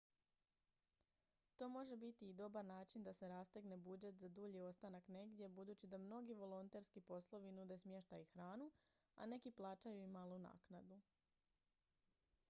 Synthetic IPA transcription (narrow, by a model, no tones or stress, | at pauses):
t̪o̞ːmo̞ʒe̞bit̪iːd̪o̞baɾnaːt͡ʃind̪ase̞ɾast̪eɡne̞bud͡ʒe̞t̪zad̪uʎio̞st̪anakne̞ɡd̪je̞bud̪uːt͡ɕid̪amno̞ɡiʋo̞lˠo̞nt̪e̞ɾskipo̞slˠo̞ʋinud̪e̞smje̞ʃt̪ajuxɾaːnu | a̰ne̞kiplˠaːt͡ʃajuimalˠuna̰ːknad̪u